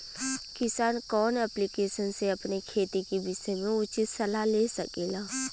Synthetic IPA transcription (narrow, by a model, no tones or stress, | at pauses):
kɪsaːnkɔːnɛplikeːʃənseɐpnekʰeːt̪ikibɪsɛmẽʊt͡ʃɪt̪sɐlaleːsɐkeːlaː